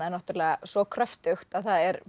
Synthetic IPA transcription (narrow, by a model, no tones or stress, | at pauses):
aɛnaht̪ʏɾlɛːɣasvɔkʰɾœft̪ʏxt̪aðθaðɛɾ